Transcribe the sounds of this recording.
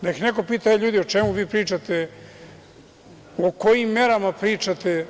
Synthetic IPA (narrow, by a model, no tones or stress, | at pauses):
neikneko̞piːt̪ajeʎuːd̪io̞t͡ʃemuʋiːpɾiːt͡ʂat̪e | oko̞jimːe̞ɾamapɾiːt͡ʂat̪e